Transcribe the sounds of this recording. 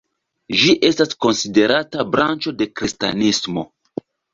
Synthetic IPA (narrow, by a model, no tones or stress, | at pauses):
d͡ʒiʔe̞stasko̞nside̞ɾatabɾant͡ʃo̞de̞kɾista̰nismo̞̰